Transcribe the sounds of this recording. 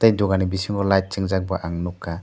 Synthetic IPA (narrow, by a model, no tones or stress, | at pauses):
t̪ajd̪ɔɡanibisiŋɔlaj̚t͡ʃɛŋd͡ʒak̚baʔaŋnɔkːa